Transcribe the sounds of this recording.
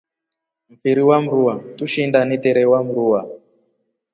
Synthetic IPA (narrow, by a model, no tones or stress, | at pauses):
m̩fiɾiwam̩ɾuwatuʃindaniteɾewamuɾuwa